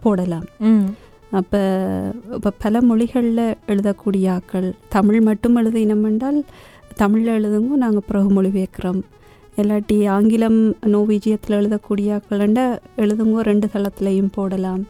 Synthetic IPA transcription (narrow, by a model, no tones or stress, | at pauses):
poːɽɐlaːm | ɐpːɐːpːɐpɐlɐmɔɭɪɣɐɭlɐɛɻɯðɐkːuːɽɪjaːkːɐɭt̪ɐmɪɭmɐʈːɯmɛɻɯðɯɪnɐmɛɳɖaːl | t̪ɐmɪɻlɛɻɯðɯŋɡoːnaːŋɡɐpɯɾɐɣɯmɔɻɪʋeːkːɪroːm | ɛlːaːʈːiaːŋɡɪlɐmnoːʋiːd͡ʒɐjɐt̪ːɪlɛɻɯðɐkːuːɽɪjaːkːɐɭɛɳɖaːɛɻɯðɯŋɡoːɾɛɳɖɯt̪ɐɭɐt̪ːɪlɐjɯmpoːɽɐlaːm